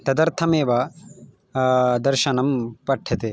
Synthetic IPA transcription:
t̪ɐd̪ɐɾt̪ʰɐmeːʋɐ | d̪ɐɾʃɐnɐmpɐʈʰːjɐt̪e

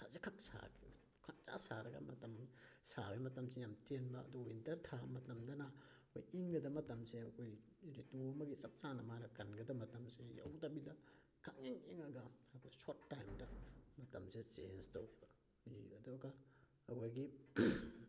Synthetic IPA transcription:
tʰasekʰak̚sa̰ki | kʰak̚t͡ʃasaɾɐɡa̰mɐ̰tɐmsabemɐtɐmsejamtenba̰ːduwintɐɾtʰamɐtɐmdɐnakʰo̰jiŋɡɐdɐmɐtɐmseɐkʰoj | ɾetuɐmɐɡisap̚t͡ʃanɐmanɐkɐnɡɐdɐmɐtɐmseja̰wtabila | kʰaŋiŋiŋɐɡaɐkʰojsotːajmdɐmɐtɐmsesḛnsta̰wɡaba | iɐduɡaː | kʰojɡi

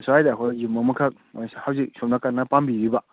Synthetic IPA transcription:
soajdakʰojumːɐmɐkʰak̚mashawzik̚sop̚nakaɾnɐpambiɾiba

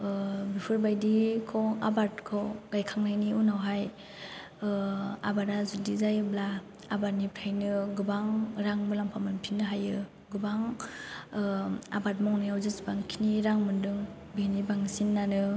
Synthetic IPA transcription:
bipʰɯɾbajdikʰɔabaɾtkʰɔwɡ̥ajkʰaŋnajniunawɦaj | a̰baɾazudizajɯblaː | baɾnibtʰajnɯɡɯbaŋɾaŋmɯlampʰamɯnpʰinːɯɦajɯ | ɡɯbaŋ | a̰bat̚mɔŋnajawzɯsbaŋkʰiniɾaŋmɯndɯŋ | benibaŋsinːanɯ

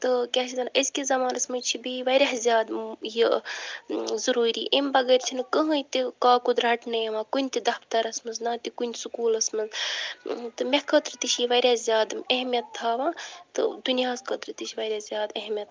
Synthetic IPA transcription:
t̪ɨkʲaːt͡ʃʰit̪ɐnəskʲizɐmaːnɐsmɐjt͡ʃʰibiʋɐɾʲazʲjaːd̪ji | zɐɾuːɾiːʔimbɐɡɐːɾt͡ʃʰinɨkəɦɐ̃jt̪ikaːkud̪ɾaːʈnɐjɐʋaːkunʲt̪id̪ɐpt̪ɐɾɐsmɐnznaːt̪ikunʲsukuːlɐsmɐz | t̪ɨmekət̪ɾɨt̪iʃʰjiʋɐɾʲazʲjaːd̪ɐɦmjɐt̪ʰːaːʋaːt̪ɨ̰d̪unjaːzkɐt̪ɾɨt̪iʃʰʋɐɾʲazʲjaːd̪ɐɦmʲjɐt̪

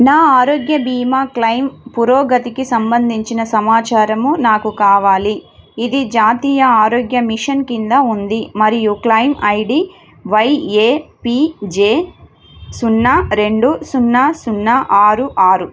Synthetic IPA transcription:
naːaːɾoːɡjɐbʱiːmaːklɐjmpuɾoːɡɐt̪ikisɐmbɐnd̪ʱiɲt͡ʃinɐsɐmaːt͡ʃaːɾɐmunaːkukaːʋaːliː | d̪id͡ʒaːt̪iːjɐaːɾoːɡjɐmiʂɐnkind̪ɐund̪imɐɾijuklɐjmɐjɖi | ʋɐjeːpid͡ʒeː | sunːaɾe̞ɳɖusunːaːsunːaʔaːɾuʔaːɾu

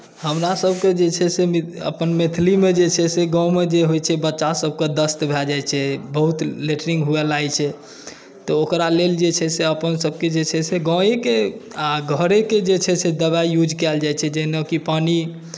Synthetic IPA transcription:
həmɾasəbʱked͡ʒet͡ʃʰɛsemə̰pənmet̪ʰlimed͡ʒet͡ʃʰɛseɡɔ̃med͡ʒeɦojt͡ʃʰɛbətːʃasəb̚ʱked̪əst̪bʱɛld͡ʒajt͡ʃʰɛbəɦut̪leʈəɾiŋɡɦuɛlajt͡ʃʰɛ | t̪ɔokɾaleld͡ʒet͡ʃʰɛseəpənsəb̚ʱked͡ʒet͡ʃʰɛseɡɔ̃ekeaɡʱəɾeked͡ʒet͡ʃʰɛsʰed̪əβaijud͡ʒʱkɛld͡ʒajt͡ʃʰɛd͡ʒenəkipani

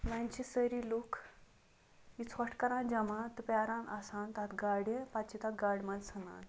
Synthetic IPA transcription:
mãnt͡ɕisəɾiluk | it͡sʰəʈkəɾãnd͡ʑamãt̪əpaɾãnasãnt̪at̪ɡaɽepat͡ɕit̪at̪̚ɡaɽʲmalsʰənã̰n

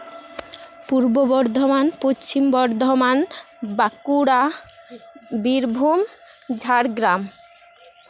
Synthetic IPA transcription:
puɾbobɔɾd̪ʱomanpot͡ɕʰimbɔɾd̪ʱoman | bakuɽa | biɾbʱumd͡ʑʱaɾɡɾam

